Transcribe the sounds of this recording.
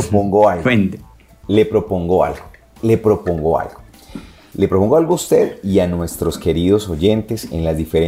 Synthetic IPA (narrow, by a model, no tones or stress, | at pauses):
opoŋɡoalend̪e | le̞pɾo̞po̞ŋɡoa̰lɡo | le̞pɾo̞põ̞ŋɡoa̰lɡo | le̞pɾopoŋɡo̞alɡoust̪e̞ðianwe̞st̪ɾo̞ske̞ɾiðo̞so̞ʝe̞nt̪e̞se̞̰nlazd̪ifeɾe